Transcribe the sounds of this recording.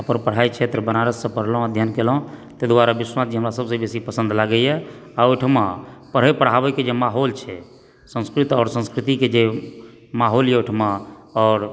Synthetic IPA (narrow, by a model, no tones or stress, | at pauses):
əpənpəɽ̤ajt͡ʃʰet̪ɾəbənaɾəsːə̃pəɽ̤lɦəd̪ʱjənkel̃t̪əd̪waɾabiswasd͡ʒeɦəmɾasəbsə̃besipəsə̃nd̪laɡəjɛ | aoʈʰmapəɽ̤epəɽ̤abɛked͡ʒemaɦolt͡ʃʰɛ | sə̃nskɾit̪ɔːɾsə̃nskɾit̪iked͡ʒe | maɦoljɛoʈʰmaɔːɾ